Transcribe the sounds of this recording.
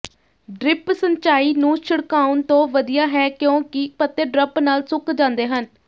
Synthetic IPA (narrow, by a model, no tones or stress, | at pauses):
ɖɾɪpsəɲt͡ʃaːiːnũːʃəɽkaːʊnt̪õːʋəd̪ijaːɦɛːkjõːkɪpət̪ːeːɖɾəpnaːlsʊkd͡ʒãːnd̪eːɦən